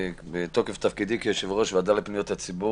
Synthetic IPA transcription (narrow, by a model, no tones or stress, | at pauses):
bet̪okeft̪afkid̪ikeʃevʁo̞ʃvad̪aletpnijot̪hat͡sibu